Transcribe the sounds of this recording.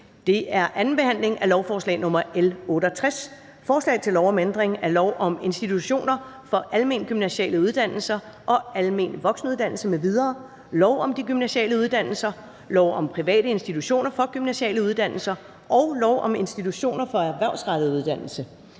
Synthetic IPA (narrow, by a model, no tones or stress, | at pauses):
d̥e̝ʔæɐʔæn̩b̥e̝hæn̰le̝ŋælɒʊfɒːslɛ̰ɪnɔ̽mɐelɔ̽ːɾəɒt͡sʰʁɛs | fɒːslɛ̰ːɪt͡sʰe̝lɒʊɒmend̥ʁeŋæɐlɒʊʔɒ̽me̝nsd̥it͡sʰuɕo̝̰ːnɐ | fɒ̽ʔælme̝nɡ̥ymnæɕɛ̰ːləuð̞ˠd̥æn̰l̩sɐ | ʔɒ̽ælme̝̰ːnʋɒ̽ɡ̥sn̩əuð̞ˠd̥æn̰l̩səmeʋið̞ˠɐː | lɒʊɒ̽md̥iɡ̥ymnæɕiɛ̰ːləuðˠd̥æn̰l̩sɐ | lɒʊ̰ɒ̽mpʰʁiʋɛ̰ːɾəe̝nsd̥it͡sʰuɕo̝̰ːnɐfɒ̽ɡ̥ymnæɕiɛ̰ːləuð̞ˠd̥æn̰l̩sɐ | ʔɒ̽ʊlɒʊʔɒ̽me̝nsd̥it͡sʰuɕo̝̰ːnɐfɒ̽æɐʋæɐʊsʁɑ̈d̥ð̩ˠuð̞ˠd̥æn̰l̩sə